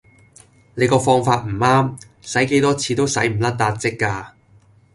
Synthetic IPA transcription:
ne˨˧jkɔː˧fɔː˧ŋfaː˧t̚m̩˨˩aː˥m | sɐ˨˥jke˨˥jt̪ɔː˥t͡sʰiː˨˧t̪o˥wsɐ˨˥jm̩˨˩lɐ˥t̚t̪aː˧t̚t͡sɪ˥kːaː˧

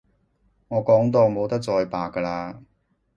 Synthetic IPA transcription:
ŋɔː˨˧kɔː˨˥ŋt̪o˧wmo˨˧wt̪ɐ˥k̚t͡sɔː˧jpaː˨kːə˧laː˧

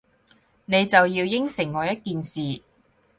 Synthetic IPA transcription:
ne˨˧jt͡sɐ˨wjiː˧wjɪ˥ŋsɪ˨˩ŋːɔː˨˧jɐ˥t̚kiː˨nsiː˨

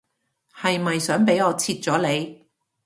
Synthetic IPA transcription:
hɐ˨jmɐ˨jsœː˨˥ŋpe˨˥jɔː˨˧t͡sʰiː˧t̚t͡sɔː˨˥le˨˧j

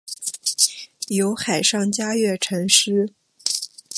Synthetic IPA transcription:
jo˧˥ʊxa˨˩ɪʂɑ˥˩ŋt͡ɕja˥ɥɛ˥˩ʈ͡ʂʰɤ˧˥ŋʂɻ̩˥

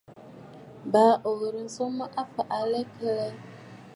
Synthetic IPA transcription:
baː˨˦ʔo˨ɣə˨ɾi˨n̩˨˦so˦ma˦ʔa˦fa˨ʔa˨lɛ˦kʰə˦lɛ˦

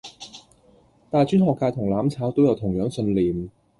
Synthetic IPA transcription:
t̪aː˨˩jt͡ʃyː˥nhɔː˨kːaː˧jt̪ʰʊ˨˩ŋlaː˨˥mt͡sʰaː˨˥wt̪o˥wjɐ˨˧wt̪ʰʊ˨˩ŋjœː˨˥ŋsɵ˧nliː˨˩m

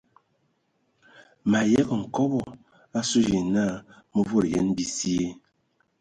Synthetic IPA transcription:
ma˨jɛ˦ɣə˨ŋ̩˨kɔ˦bɔ˨ | a˦su˦d͡ʒi˨na˦˨ | mə˦vo˦˨ɾjɛ̰˦nbi˦si˦e˦

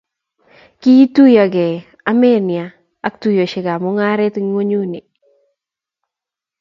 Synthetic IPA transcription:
ki˦tu˦ja˨ɡɛ˨ | a˦me˦nɪja˨ | a˦k̚tu˦jo˨ʃɪ˨ɡa˨mo˦ŋa˦ɾe˦t̪ŋwo˦ɲu˦ni˨

